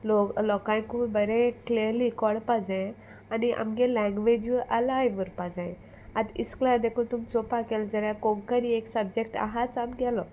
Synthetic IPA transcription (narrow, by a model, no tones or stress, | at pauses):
loklɔkãj̃kubəɾɛ̃kliəɾlikɔɽpad͡zɛ̃ | aniʔa̰mɡɛlɛ̃ŋɡʋed͡ʑʋʔəlajʋəɾpad͡zãj | ad̪ḭsklad̪ekʰut̪umt͡sopakeld͡zəɾjakoŋkəɾieksəb̚d͡ʑek̚ʈa̰ɦat͡samɡɛlɔ